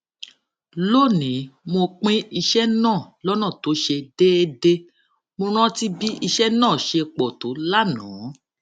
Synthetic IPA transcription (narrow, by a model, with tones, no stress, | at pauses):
lo˦˨nĩ˨˦mo˧k͡pĩ˦i˧ʃɛ˦nãː˦˨lɔ˦nã˦˨to˨˦ʃe˧de˦e˧de˧ | mo˧ɾ̃ã˦ti˦bi˦i˧ʃɛ˦nãː˦˨ʃe˧k͡pɔ˨to˨˦la˦nã˨˦